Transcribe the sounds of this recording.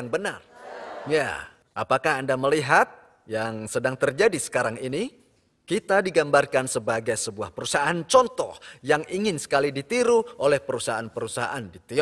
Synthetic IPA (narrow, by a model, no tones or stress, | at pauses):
aŋbənarja̰ | ʔapakaɦandaməliɦat̪̚ | jaŋsədaŋt̪ərd͡ʒadisə̥kaɾaŋini | kit̪adiɡambarkansəbaɡajsəbuahpəɾusaant͡ʃɔnt̪ɔhjaŋiŋɪnsə̥kalidit̪iɾuʔolɛhpəɾusaaanpəɾusaɦa̰ʔandit̪e